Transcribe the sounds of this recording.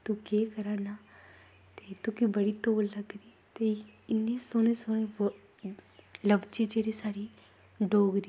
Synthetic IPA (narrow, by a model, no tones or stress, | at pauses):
t̪ʊkeːkəɾaːnaː | t̪eːt̪ʊkiːbəɽiːt̪oːlːəɡd̪iːt̪eːɪnːeːsoːneːsoːneː | ləbt͡ʃiːd͡ʒeːɽeːsaːɽiː | ɖoːɡɾi